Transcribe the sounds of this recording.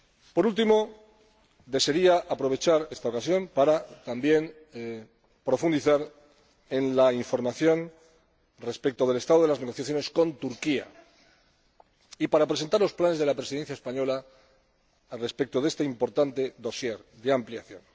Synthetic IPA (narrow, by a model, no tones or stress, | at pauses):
po̞ɾult̪imo̞ | ðe̞se̞ɾiaʔapɾo̞βe̞t͡ʃaɾe̞st̪ao̞kasjo̞mpaɾat̪ambje̞n | pɾo̞fund̪iθaɾ | e̞nlaiɱfo̞ɾmaθjo̞n | re̞spek̚t̪oð̞e̞le̞st̪aðo̞ð̞e̞lazne̞ɣ̞o̞θjaθjo̞ne̞sko̞nt̪uɾkia̰ | ipaɾapɾe̞se̞nt̪aɾlo̞splane̞zðelapɾe̞siðe̞n̟θjaespaɲo̞la | re̞spe̞k̚t̪oðe̞st̪eimpo̞ɾt̪ant̪e̞ðo̞sje̞ɾðe̞ampljaθjon